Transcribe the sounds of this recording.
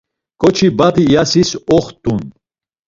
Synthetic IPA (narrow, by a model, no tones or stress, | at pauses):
kʰʼɔt͡ʃʰibap̪ʰijasisɔχt̪ʼun